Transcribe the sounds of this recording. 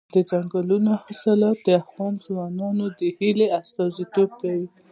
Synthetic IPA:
d̪əd͡ʒaŋɡalunoaxist̪əlad̪əawɑnzwɑnɑnod̪əhileast̪ɑzit̪ob̚kawi

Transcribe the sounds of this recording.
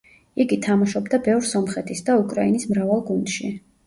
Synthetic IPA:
iɡit̪ʰamaʃɔbd̪abɛvɾsɔmχɛt̪ʰisd̪aukʼɾainismɾavalˠɡund̪̥ʃi

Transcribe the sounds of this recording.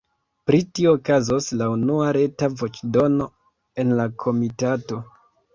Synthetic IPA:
pɾitioːkazoslaunuaɾe̞tavo̞t͡ʃdo̞no̞ | e̞nlakʰo̞mitato̞

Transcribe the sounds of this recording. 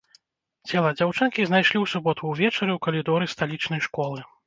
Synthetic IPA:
t͡sʲɛlˠɐd͡zʲawt͡ʂɨnkʲiznajʂlʲiwsubɔt̪uwvʲɛt͡ʂɐɾɨwkɐlʲid̪ɔɾɨst̪alʲit͡ʂnɐjʂkɔlˠɨ

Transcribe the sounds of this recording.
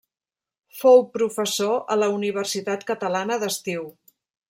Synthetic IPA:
fowpɾufəsoələuniβ̞ərsit̪at̪kət̪əlanəðəst̪iw

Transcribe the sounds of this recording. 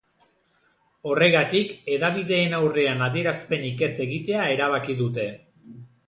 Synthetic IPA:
o̞re̞ɣat̪ike̞ðaβ̞iðe̞ːnawre̞anaðie̞ɾaspe̞nike̞se̞ɣit̪e̞ae̞ɾaβ̞akiðut̪e̞

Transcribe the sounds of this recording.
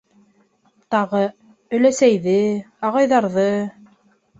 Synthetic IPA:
t̪ɑʁɤ | ɵ̆læsæjðɘ | ɑʁɑjðɑɾðɤ

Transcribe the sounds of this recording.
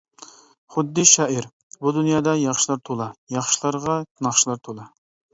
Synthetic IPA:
χʊd̪ːɪʃɑːʔiɾ | bud̪unjɑːd̪ɑjɑχʃilˠɑɾt̪ʰolˠɑjɑχʃlˠɑɾʁɑnɑχʃilˠɑɾt̪ʰolˠɑ

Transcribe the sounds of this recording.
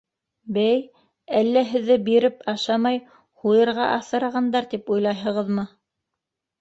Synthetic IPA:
bæj | ælːæɦɘ̆ðːɘbiɾɘpɑʃɑmɑj | hujɤ̆ɾʁɑʔɑθɤ̆ɾɑʁɑnd̪ɑɾt̪ipujlˠɑjɦɤ̆ʁɤðmɤ

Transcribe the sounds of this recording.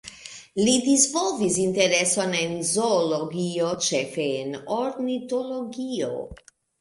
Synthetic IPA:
lidizvolvisinteɾeso̞nenizoloɡiot͡ʃefeːnoɾnito̞loɡio̰

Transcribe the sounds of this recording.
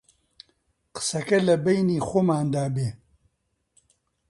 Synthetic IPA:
qɨ̥sɐkɐlɐbejniːxoːmaːnd̪aːbeː

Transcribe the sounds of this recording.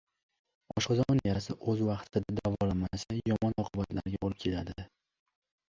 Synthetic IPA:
ɒʃqɑzɒmɒnjaɾasɪʔɵzwɑqt̪ʰɪd̪ad̪avɒlamasajɒmɒnɒqʰʊbat̪ʰla̰ɾɡʲabolɪp̚ʲkʲʰe̞lad̪ɪ

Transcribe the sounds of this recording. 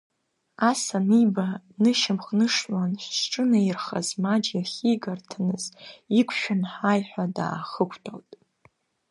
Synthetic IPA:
asamibanɨʃɪmχnɨʂʷanɕʈ͡ʂʼɨnairχa̰zmad͡ʒjaχʲiɡartʰanɨzikʷʰʃᶣɪnħajħʷᶣada̰ːχəkʷʰtʰo̰ltʼ

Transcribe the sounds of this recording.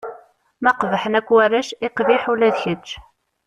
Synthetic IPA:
mæqvħənækʷːwærːæʃɪqviħulæðçət͡ʃː

